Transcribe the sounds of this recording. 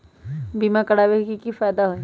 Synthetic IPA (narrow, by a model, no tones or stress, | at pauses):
biːmãkɐɽabekikifɛːd̪aɦoĩ